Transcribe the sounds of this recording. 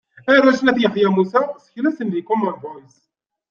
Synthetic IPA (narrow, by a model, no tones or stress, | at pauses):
æɾæʃnæθjəχjæmusæsə̥çlæsənðikɔmənvɔjs